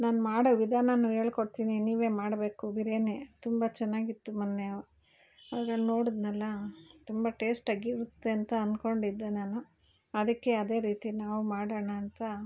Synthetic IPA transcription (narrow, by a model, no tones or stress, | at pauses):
naːnmaːɽoʋid̪ʱaːnɐnːuɦeːɭkoɽt̪iːniniːʋe̞ːmaːɽbe̞ːkubiɾeːnet̪umbɐt͡ʃɛnːaːɡit̪ːumɐnːeɐ | ɐʋɾɐɭnoːɽid̪nɐlːɐt̪umbɐʈe̞ːsʈɐɡiɾut̪ːeɐnt̪ɐɐnd̪ko̞ɳɖid̪ːenanu | ɐd̪ɐkːe̞ɐd̪e̞ːɾiːt̪inaːʋumaːɽɐɳɐːnt̪ɐ